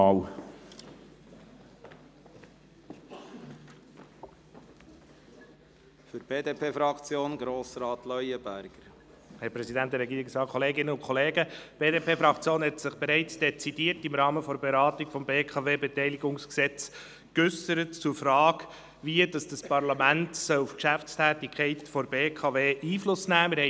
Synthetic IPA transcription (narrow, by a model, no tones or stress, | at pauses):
w | fyɾb̥eːd̪eːpʰeːfɾɑkt͡sjoːnɡɾoːsɾɑːtlœʏəbæɾɡ̥əɾ | hɛɾpɾɛsidænt̚d̥ɛɾɛɡiːɾɪksɑːkʰɔleːɡɪnːəʊnkʰɔleːɡəb̥eːdeːpʰeːfɾɑkt͡sjoːnhɛtsɪχb̥eɾɛɪt͡sd̥ɛt͡sidiəɾtɪmɾɑːməfɔɾbeɾɑːtiɡ̥fɔmbeːkʰɑveːbɛtɛɪliɡʊŋsksɛt͡s | kʏsəɾətt͡sʊɾfɾɑːɡ | ʋiəd̥ɑsd̥ɑspɑɾlɑmæntsœlufkʃæft͡stʰæːtikχɛɪtfɔɾbeːkʰɑveːʔiːflʊsnæːmɪɾhɛ